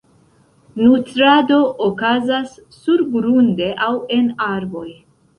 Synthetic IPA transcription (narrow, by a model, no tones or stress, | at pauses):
nutɾado̞ʔokazasː | uɾbɾunde̞ʔawe̞naɾbo̞j